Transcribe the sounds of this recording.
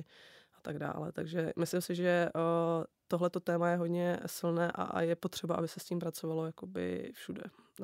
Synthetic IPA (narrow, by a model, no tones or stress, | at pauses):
ʔat̪aɡda̰ːlɛ̰t̪aɡʒɛmɪslɪmsɪʒɛ | t̪o̞ɦlɛt̪o̞t̪ɛːmajɛɦodɲɛsɪlnɛːʔa̰jɛpo̞t̪r̥ɛbaʔabɪsɛsciːmpɾat͡so̞valo̞jakobɪ̰fʃudɛ̰